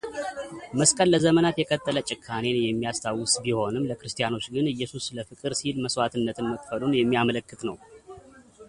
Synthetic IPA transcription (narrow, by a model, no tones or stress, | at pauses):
məskʼəlːəzəmənat̪jɛkʼət̪ʼːələt͡ʃʼɪkʰːane̞njɛmːijast̪ʰawːɨsbiho̞nɨmləkɾɨst̪ʰʼijano̞t͡ʃːɡɨnɨjːɛsusləfɨkʼɨɾsilməswat̪ʰɨnːət̪ʰɨnməkʼfəlunjɛmːiamələkːɨt̪nəw